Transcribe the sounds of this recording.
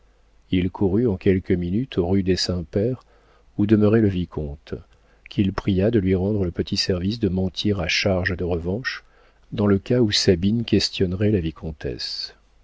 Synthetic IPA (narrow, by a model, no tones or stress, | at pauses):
ilkʰuʁyɑ̃kʲɛlkəminyt̪ʰoʁyd̪esɛ̃pɛʁ | ud̪əməʁɛləvikʰɔ̃t̪ | kʲilpχijad̪əlɥiʁɑ̃d̪ʁələpət̪ʰisɛʁvisd̪əmɑ̃t̪ʰiʁaʃaʁʒəd̪əʁəvɑ̃ʃ | d̪ɑ̃ləkausabinkʲɛst̪jɔnʁɛlavikʰɔ̃t̪ɛ̰s